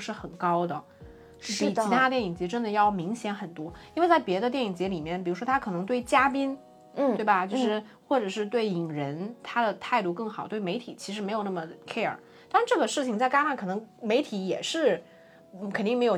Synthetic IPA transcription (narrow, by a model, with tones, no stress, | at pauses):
ʂɻ̩˥˩xə˨˩nkɑ˥ʊd̪ə˨˥˩ | pi˧˨˩i˧˥t̪ʰa˥t̪jɛ˥˩ni˨˩ŋt͡ɕjɛ˧˥ʈ͡ʂə˥nd̪ə˨jɑ˥˩ʊmi˧˥ŋɕjɛ˧˥nxə˨˩nt̪wɔ˥i˥nwe˥˧ɪt͡sa˥˩ɪpjɛ˧˥d̪ə˧t̪jɛ˥˩ni˨˩ŋt͡ɕjɛ˧˥li˨˩mjɛ˥˩npi˨˩ɻu˧˥ʂwɔ˥t̪ʰa˥kʰɤ˨˩nɤ˧˥ŋt̪we˥˩ɪt͡ɕja˥p̬i˥n | twe˥˩ɪba˩t͡ɕjo˥˧ʂɻ̩˥˧ | xwɔ˥˩ʈ͡ʂɤ˨˩ʂɻ̩˥˧t̪we˥˩ɪi˨˩ŋɻə˧˥nt̪ʰa˥d̪ə˨t̪ʰa˥˧ɪt̪u˥˧kɤ˥˩ŋxɑ˨˩ʊt̪we˥˩ɪme˧˥ɪt̪ʰi˨˩t͡ɕʰi˧˥ʂɻ̩˧˥m˧˥jo˨˩ʊna˥˩mə˩kʰe˥ə̰˞˨˩˦ | t̪a˥˧ʂ̩˧ʈ͡ʂɤ˥˩ɡə˩ʂɻ̩˥˩t͡ɕʰi˩ŋt͡sa˥˧ɪka˥ʂa˥˩nkʰɤ˨˩nɤ˧˥ŋme˧˥ɪt̪ʰi˧˥jɛ˨˩ʂɻ̩˥˩ | kʰə˨˩nt̪i˥˩ŋm˧˥ɪo˨˩